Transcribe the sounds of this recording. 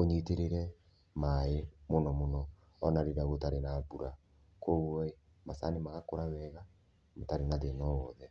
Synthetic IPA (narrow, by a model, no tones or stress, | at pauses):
oɲiteɾeɾɛ | maemonɔmonɔ | ɔnaɾeɾaɣotaɾenabuɾa | kʰoɣwɔe | masanemaɣakoɾawɛɣa | motaɾenaðenɔwɔðɛ